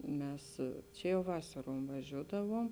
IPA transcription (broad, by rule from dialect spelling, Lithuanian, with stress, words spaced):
ˈmʲɛs ˈt͡ʃʲɛ jɛʊ ˈʋɑːsɐruɔm ʋɐˈʒʲuːdɐʋuɔm